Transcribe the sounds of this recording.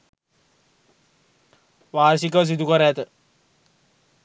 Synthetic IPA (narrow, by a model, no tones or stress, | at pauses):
ʋaːɾsikəs̬id̪ukəɾət̪ə